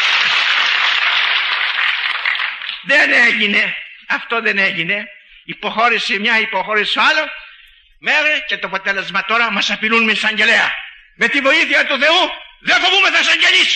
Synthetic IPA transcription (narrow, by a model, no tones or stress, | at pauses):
ðeneʝine̞ɐft̪o̞ðeneʝine̞ | ipoxo̞ɾisemɲɐipoxo̞ɾisoalo | meɣɾicet̪opot̪elezmɐt̪o̞ɾɐmɐsɐpilunmesɐɲɟe̞leɐ̰ | me̞t̪ivo̞iθiɐt̪uθe̞uðefovumeθɐsɐɲɟeʎis